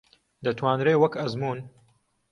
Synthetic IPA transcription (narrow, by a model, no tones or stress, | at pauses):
d̪ɐt̪ʰwaːnɾeːwɐkɐzmuːn